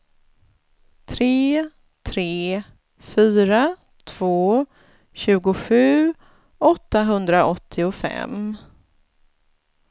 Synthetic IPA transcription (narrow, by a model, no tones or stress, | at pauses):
t̪ʰɾeː | t̪ʰɾeː | fyːɾa | t̪ʰv̥oː | ɕʉ̟ːɡʊɧʉ̟ː | ɔt̪ːaɦɵnd̪ɾaʔɔt̪ʰːɪʊfɛ̰m